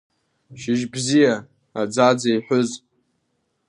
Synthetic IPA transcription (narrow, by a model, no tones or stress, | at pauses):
ʃɪʒbzija | ad͡zad͡zajħʷʊz